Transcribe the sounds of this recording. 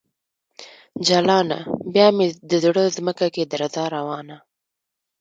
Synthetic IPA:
d͡ʒalɑna̰bjɑmed̪əzɽəzməkaked̪aɾazɑɾawɑːna

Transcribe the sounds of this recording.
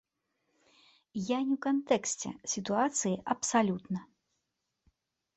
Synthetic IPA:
janʲiwkant̪ɛksʲt͡sʲɛ̰sʲit̪uat̪sɨjiʔɐpsalʲut̪nɐ

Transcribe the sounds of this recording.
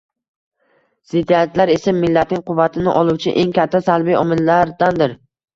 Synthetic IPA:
z̥ɪd̪ːiat̪laɾesɪmːɪlːat̪̚nɪŋʲqʰʊvːat̪ʰɪnɪʔɒlˠuwt͡ʃʰɪ̰ʔe̞ŋkʲʰat̪ʰːasalbijɒmɪlːaɾd̪and̪ɪɾ

